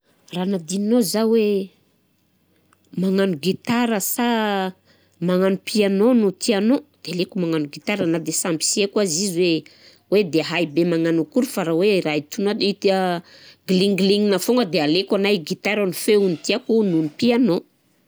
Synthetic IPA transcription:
ranad̪ininozawe | maŋanuɡit̪aɾəsa | maŋanupʰianonut̪ianod̪̥ealekumaŋanuɡit̪aɾanad̪esambi̥siekazizwe | wed̪eɦajbemaŋanukuɾufaɾawerait̪unad̪it̪əɡliŋɡliŋinafoŋɡəd̪ealekanajɡit̪aɾanufeunit̪iakununipiano

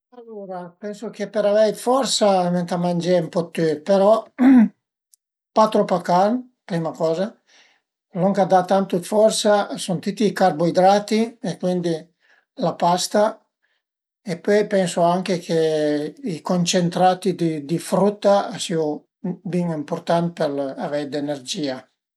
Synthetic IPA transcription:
alːoɾapɛnsokepeɾavɛjd̪fɔrsament̪amand͡ʒɛumpɔt̪ːypeɾɔ | pat̪ɾopakan | pɾimakɔːza | loŋkad̪at̪ːant̪ud̪fɔrsasɔnt̪ut̪ːiːkarboid̪ɾaːt̪iekwind̪i | lapast̪a | epːɔjpɛnsoaŋk̟ekʰeikont͡ʃent̪ɾaːt̪id̪id̪ifɾut̪ːaasio | biŋimpoɾt̪ant̪̚peɾavɛd̪enerd͡ʒiːa

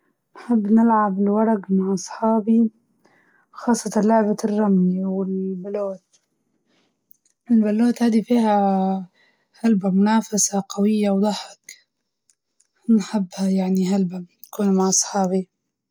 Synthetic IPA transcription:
nħɪbːnɪlʕabɪlwɑɾˤɑɡmaʕʔɑsˤħɑːbi | xɑːsˤːɑt̪ˤɑnlʊʕbarˤːɑmniwɪlbaloːt̪ | ʔɪlbaloːt̪haːd̪ifiːha | halbamʊnaːfasaqawɪjːawd̪ˤɑħɪk | nħɪbːhajaʕniɦalbanakuːnmaʕʔɑsˤħɑːbi

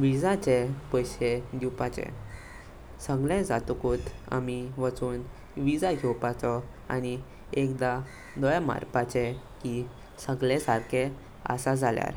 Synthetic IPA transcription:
ʋid͡zat͡ɕepəjɕed̪iwpat͡ɕḛ | səɡlẽd͡zat̪ukuːt̪a̰miʋət͡suːn | ʋid͡zaɡʱɛwpat͡sɔ | a̰ni | ekd̪a | d̪ɔjama̰ɾpat͡ɕe | ki | səɡlẽsaɾkʰe | a̰sad͡zʱalja̰ɾ

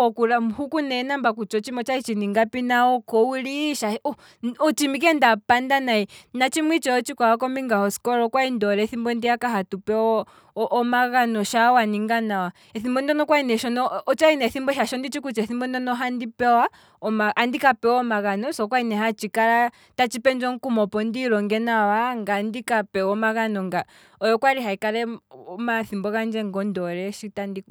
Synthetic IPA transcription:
ɔkuɾamhukunɛnambakut͡ʃɔt͡ʃimɔt͡ʃait͡ʃiniŋɡapinaɔkɔwiliʃaɔ | ɔt͡ʃimik̬ɛndapandanainat͡ʃimwit͡ʃɔɔt͡ʃikwawakɔmbiŋɡahɔsi̥kɔɾɔkwaindɔɾɛθimbɔndiakaɦatupɛɔ | ɔʔːmaɣanɔʃawaniŋɡanawa | ɛθimbɔndɔnɔkwainɛʃɔnɔːt͡ʃainɛθimbɔʃaʃɔndit͡ʃikut͡ʃɛθimbɔndɔnɔɦandipɛwa | ɔmaʔandikapɛɔmaɣanɔsɔkwainɛɦat͡ʃikaɾa | tat͡ʃipɛnd͡ʒɔŋ̩kumɔpɔndiɾɔŋɡɛnawaŋɡandikapɛɔmaɣanɔŋɡa | ɔjɔkwaɾiɦaikaɾɛmaθimbɔɣand͡ʒɛŋɡɔndɔɾɛʃitandi

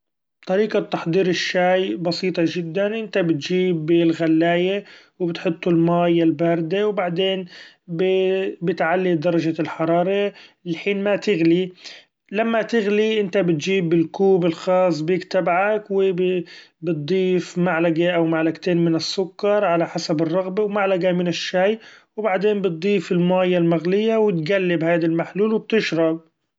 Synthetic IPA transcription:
b̥t̪ˤɑɾiːqɑt̪ːɑħd̪ˤiːɾɪʃːaːjbɑsiːt̪ˤɑʒɪd̪ːanʔɪnt̪abɪt̪ʒiːbɪlɣalːaːje | wbɪt̪ħʊt̪ˤːʊlmaːjɪlbɑːɾˤd̪ewbaʕd̪eːn | bɪbɪt̪ʕalːid̪ɑɾˤɑʒalħɑɾˤɑːɾˤɑlħiːnmat̪ɪɣli | lamːat̪ɪɣliʔɪnt̪abɪt̪d͡ʒiːbɪlkuːbɪlxɑːs̬ˤːbjɪkt̪abʕakwɪbbɨt̪̚d̪ˤiːfmaʕlaɡaʔawmaʕlaɡt̪eːnmɪnɪsːʊkːɑɾˤʕalaħasabɨrˤːɑɣbawmaʕlaɡamɪnɪʃːaːjwbaʕd̪eːnbɨt̪̚d̪ˤiːfɪlmaːjalmaɣlɪjːawɪt̪ɡalːɪbhaːd̪almaħluːlwb̚t̪ɪʃɾˤɑb̚

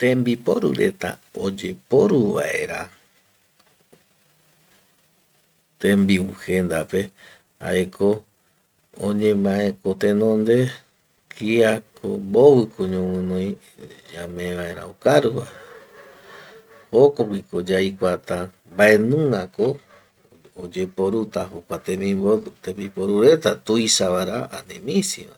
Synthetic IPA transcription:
t̪ẽmbipoɾṵɾḛt̪a̰od͡ʒe̞poɾuʋa̰ʔe̞ɾa | t̪ẽmbiwuhend̪ape̞ | a̰ekʰo | õ̰ɲẽ̞mãẽkot̪ẽ̞nõnd̪e̞ | kʰiako̰mboβɨkʰoɲõmɨ̃nõj̃ | d͡ʒamẽʋaeɾa̰okaɾuwa | hokokʷikod͡ʒajkʷat̪a | mbae̞nũŋako | od͡ʒepoɾut̪ahokʷat̪ẽmĩmot̪ẽmbipoɾuɾe̞t̪at̪ujsaβaɾaanẽmĩsiβa̰

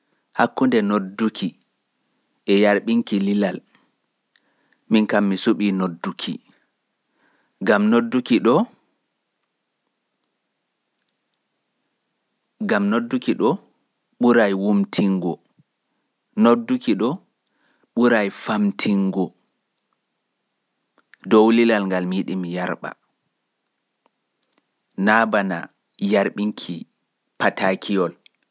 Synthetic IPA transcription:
hakːundɛnodːukʰi | ʔɛjaɾɓiŋkililal | minkamːisuɓiːnodːukʰḭ | ɡamnodːukiɗɔ | ɡamnodːukiɗɔ | ɓuɾajwumtʰiŋɡɔ | nodːukiɗɔ | ɓuɾajfamtʰiŋɡɔ | dowlilalŋɡalmiɗimijaɾɓa̰ | naːbana̰ | jaɾɓiŋkʰi | patakʰijɔl

